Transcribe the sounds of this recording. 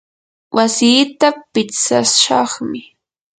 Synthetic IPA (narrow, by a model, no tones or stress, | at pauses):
wʔasiːt̪apɪt͡sa̰ʃɑχmɪ